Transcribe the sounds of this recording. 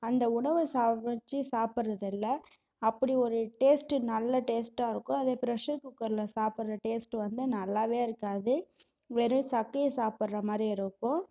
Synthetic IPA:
ɐnd̪ɐʊɳɐʋɯsaːt͡ʃːɯsaːpɪɾɐðɪlːɐ | ɐpːɐɽiɔɾɯʈeːsʈɯnɐlːɐʈeːsʈãːɪɾɯkːʊ̃ɐðepɪɾɐʂɐkːʊkːɐɾlɐsaːpɯɾɾɐʈeːsʈɯʋɐnd̪ɯnɐlːaːʋeːɪɾɯkːaːðɯ | ʋɛɾɯ̃sɐkːɐjɐsaːpɐɾɾɐmaːd̪ɾiɪɾɯkːʊ̃

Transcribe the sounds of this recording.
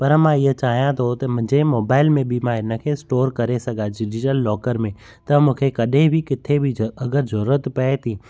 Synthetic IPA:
pɐɾmãɪɦət͡ɕaːɦijãt̪ʰot̪ɐmʊ̃ɦd͡ʑemoːbaːɪlmẽbʱimãɪnə̆kʰeːsʈoːɾkɐɾesɐɡad͡ʒɪd͡ʒɪʈəlːɔːkəɾmẽ | t̪ɐmũːkʰekɐɗẽbʱikɪt̪ʰebʱiɐɡəɾzʊɾət̪pɐet̪ʰĩː

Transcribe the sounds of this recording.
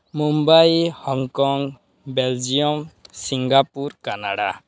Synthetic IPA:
mumbajhɔŋkɔŋ | bɛld͡ʒijɔmsiŋɡapuɾkana̰ɽa̰

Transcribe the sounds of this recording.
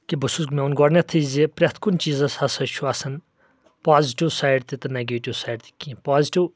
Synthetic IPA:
kibusuɡmeunɡɔɽnʲɐt̪ʰizipɾʲɐt̪ʰkunʲt͡ʃiːzɐshɐsɐt͡ʃʰuɐsɐn | paːziʈiwsaːjɖt̪it̪ɐneɡeʈiwsaːɖt̪ʰi̥kĩpaːziʈiw

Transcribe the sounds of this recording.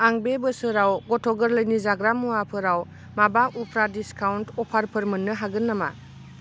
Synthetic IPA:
aŋbebəsɯɾawɡɔtʰɔɡəɾlɯjnizaɡɾamuwapʰɯɾaw | mabaupʰɾadiskawntɔpʰaɾpʰɯɾmɯnːɯɦaɡɯnːama̰

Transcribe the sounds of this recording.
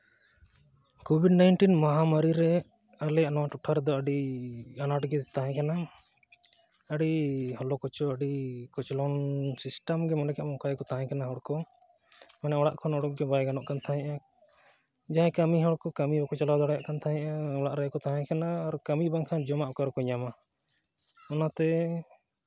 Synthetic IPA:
kobʱiɖnajnʈinmaɦamaɾiɾɛ | alɛjaʔnɔwaʈɔʈʰaɾd̪ɔəɖianaʈɡɛt̪aɦɛ̃kana | əɽihɔlɔkɔt͡ʃɔəɖikɔt͡ʃlɔnsisʈamɡɛmɔnɛkɛʔmɔ̃kajkɔt̪aɦɛ̃kanaɦɔɽkɔ | manɛɔɽaʔkʰɔnɔɽɔk̚ɡɛbajɡanɔʔkant̪ʰaɦɛ̃ʔa | d͡ʒaɦɛ̃kamiɦɔɽkɔkamibɔkɔt͡ʃalawd̪ɔɽajaʔkant̪ʰaɦɛ̃ʔaɔɽaʔɾajkɔt̪aɦɛ̃kanaːɾkamibaŋkʰad͡ʒɔmaʔɔkaɾkɔɲama | ɔnat̪ɛ

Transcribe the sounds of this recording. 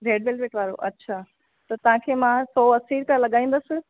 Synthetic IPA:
ɾeːɖʋeːlʋeːʈʋaːɾo̰ʔɐtːɕʰaː | t̪ɐt̪ɐʋ̤ãkʰeːmãːsɔːɐsiːɾpijalɐɠaːĩːn̆d̪əsɪ̆

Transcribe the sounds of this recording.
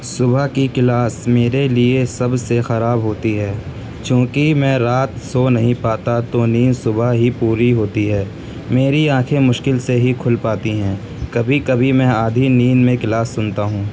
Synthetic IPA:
sʊbʱakikɪlaːsmeːɾeliesɐbsexɐɾaːbɦoːt̪iɦɛː | t͡ʃjõːkimɛ̃ːɾaːt̪sonɐɦĩpaːt̪at̪oniːnsʊbʱaɦipuːɾiɦoːt̪iɦɛː | meːɾiãːkʰẽmʊʃkɪlseɦikʰʊlpaːt̪iɦɛ̃ː | kɐbʱikɐbʱimɛ̃aːd̪ʱiniːnmẽkɪlaːsːʊnt̪aɦũː

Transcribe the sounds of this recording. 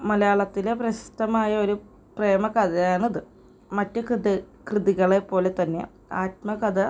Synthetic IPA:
mɐlɐjaːɭɐt̪ːile̞prɐɕi̥st̪ɐmaːjɐo̞ɾu | pre̞ːmɐkɐd̪ɐjaːnɐðɨ | mɐtːɨkɨd̪ | krɨðiɣɐɭe̞pːo̞ːle̞t̪ɐnːe̞̰ | aːt̚mɐkɐd̪ɐ

